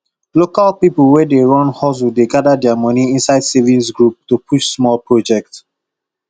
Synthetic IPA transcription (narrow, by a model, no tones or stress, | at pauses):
lokalpiplwɛdeɹɔ̃nhɔs̬udeɡadadɛamɔniĩnsaɪd̥sevĩnsɡɹup̚tupʰuʃsmɔlpɹɔd͡ʒɛk̚t